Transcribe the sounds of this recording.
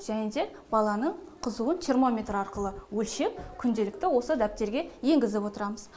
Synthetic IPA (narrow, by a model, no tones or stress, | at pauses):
ʒ̥ænɪnd̪e̞ | b̥ɑlˠɑnəɴqʰəzuənt̪ʰermo̞mʲe̞t̪ɾɑɾqəlˠəwɵlʃe̞k̚kʲʰʏnd̪e̞lɪk̚t̪ɪwo̞səd̪æp̚t̪e̞ɾɡʲe̞je̞ŋɡʲɪzɪpwo̞t̪əɾɑməz̥